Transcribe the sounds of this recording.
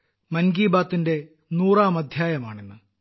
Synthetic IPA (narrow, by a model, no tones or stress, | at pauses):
mɐnɡiːbaːt̪ːinde̞ | nuːraːmɐd̪ʱjaːjɐma̰ːɳenːɨ